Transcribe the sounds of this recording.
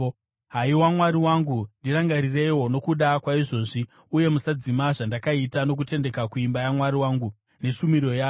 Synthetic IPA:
ɦaiwamwaɾiwaŋɡundiɾaŋɡaɾire̞iwo̞no̞kuɗakwaiʐo̞ːʐi | uje̞musad͡zimaʐandakaitano̞k̬ute̞nde̞kakuimbajamwaɾiwaːŋɡu | ne̞ʃumiro̞jaː

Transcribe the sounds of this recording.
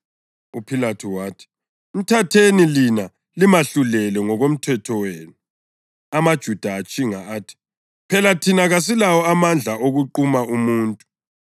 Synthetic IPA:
upʰilatʰuwaːtʰi̥ | um̩tʰatʰenilina | limaɬulɛlɛŋɔɣom̩tʰɛtʰɔweːnu | amad̥ʒ̥ʱud̥ʱaːt͡ʃʼiŋaaːtʰi̥ | pʰɛlatʰinaɣas̬ilawɔamand͡ɮʱaʔoɣuǃumaumuːntʼu̥

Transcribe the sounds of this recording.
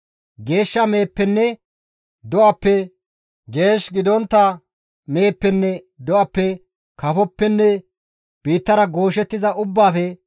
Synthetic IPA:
ɡe̞ːʃːɐme̞ːpːɛnːɛ | d̪ɔʔɐpːɛ | ɡe̞ːʃɡɪd̪ɔnt̪ːɐ | me̞ːpːɛnːɛ | d̪ɔʔɐpːɛ | kɐfɔpːɛnːɛ | b̥iːt̪ːɐɾɐɡo̞ːʃɛt̪ːɪzɐʔʊbːaːfɛ

